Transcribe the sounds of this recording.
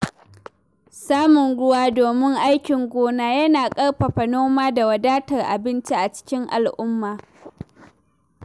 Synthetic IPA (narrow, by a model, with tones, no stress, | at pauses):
saː˦mʊ˨nɽʊ˦waː˦doː˨mɪ˦ŋʔa˦jkʲɪ˨ŋɡʷoː˦naː˨jɐ˦naː˨kʼɐ˦ɽɸɐ˨ɸɐ˨noː˦maː˦da˨wɐ˨daː˦tɐ˨rʔa̰˨bɪ˦nt͡ʃi˦ʔa˨t͡ʃɪ̥˦kʲɪ˦ŋʔa˨lʔʊ˦mːaː˨